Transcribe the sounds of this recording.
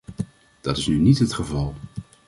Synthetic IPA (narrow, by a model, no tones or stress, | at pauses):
d̥ɑtɪsnynitɦətχəvɑlˠ